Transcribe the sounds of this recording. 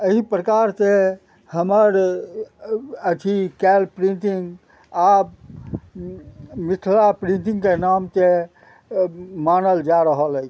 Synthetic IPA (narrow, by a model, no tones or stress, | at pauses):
əɦipɾəkaɾse | həməɾ | ət͡ʃʰikɛlpɾĩnʈiŋɡ | ab | mit̪ʰlapɾĩnt̪ĩŋɡkenamt̪e | manəld͡ʒaɾəɦələ